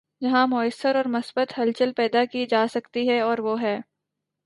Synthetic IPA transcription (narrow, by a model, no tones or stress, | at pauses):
d͡ʒɐɦãmʊəsːəɾɔːɾmɐsbət̪ɦɐlt͡ʃəlpɛːd̪akid͡ʒaːsɐkt̪iɦɛɔːɾʋoɦɛː